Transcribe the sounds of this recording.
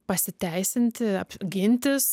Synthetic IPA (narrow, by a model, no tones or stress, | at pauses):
pɐsʲɪt̪ʲɛɪsʲɪnʲt̪ʲɪɐpʲɡʲɪnʲt̪ʲɪs